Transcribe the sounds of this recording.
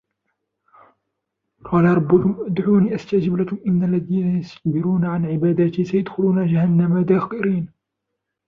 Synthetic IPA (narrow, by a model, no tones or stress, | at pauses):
qʰɑːlaɾˤɑbːʊkʊmʔʊd̪ʕuːniːʔast̪aʔd͡ʒɪblakʊmʔɪnːalːaðiːnajasbɪɾuːnaʕanʕɪbaːd̪at̪isajad̪xʊluːnad͡ʒahanːamad̪aːxqɪɾiːn